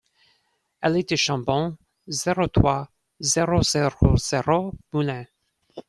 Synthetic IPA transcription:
ɛlɛt̪eʃɑ̃bɔ̃ | zɛʁot̪χwa | zeʁozeʁoz̥eʁomulɛ̃

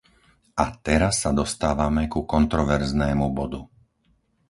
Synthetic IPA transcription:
at̪ɛɾasːad̪ɔst̪aːʋamɛkukɔnt̪ɾɔʋɛɾznɛːmubɔd̪u

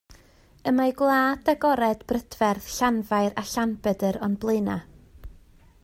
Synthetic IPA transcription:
əmajɡwlˠaːdaɡɔɾɛdbrəd̥vɛrðɬanvajɾaɬanbɛdəɾɔnblˠeɨna

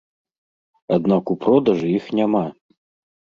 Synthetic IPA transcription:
ad̪nakupʰrod̪aʐɨixnʲama

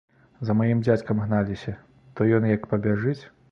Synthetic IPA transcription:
zɐmajimd͡zʲat͡sʲkɐmɣnalʲisʲɐ | t̪ɔjɔnjɐkpɐbʲaʐɨt͡sʲ

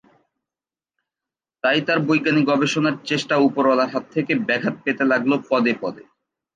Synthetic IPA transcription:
t̪ajt̪aɾbojɡaniɡɔbeʃonaɾt͡ɕeʃʈaupoɾalaɾɦat̪ʰːekebɛkʰat̪̚pet̪elaɡlopɔd̪epɔd̪ḛ

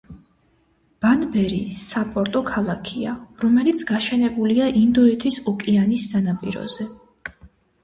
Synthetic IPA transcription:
b̥anbɛɾḭsapʼɔɾt̪ʼɔkʰalˠakʰiaɾɔmɛlit̪sʰɡ̥aʃɛnɛbuliaʔind̪ɔɛt̪ʰisɔkʼianisːanapʼḭɾɔ̰zɛ

